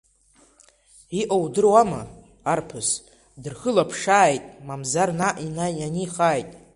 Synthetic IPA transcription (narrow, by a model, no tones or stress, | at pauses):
iʔowdɨrwamɨ̰ | arpʰɨs | dɨrχɨlapʰʂaːjtʼmamzarnaʔinajaniχaːjtʼ